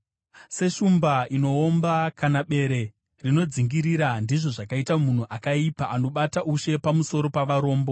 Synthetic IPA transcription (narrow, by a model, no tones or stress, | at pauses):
se̞ʃumbaino̞ːmbakanaɓe̞ɾe̞ | rino̞d͡ziŋɡiɾiɾandiʐo̞ʐakaitamun̤uʔakaipaʔano̞ɓataʔuʃe̞pamuso̞ɾo̞paʋaɾo̞ːmbo̞